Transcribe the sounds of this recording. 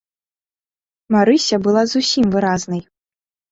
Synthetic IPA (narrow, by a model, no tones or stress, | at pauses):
maɾɨsʲɐbɨlˠazusʲimvɨɾaznɐj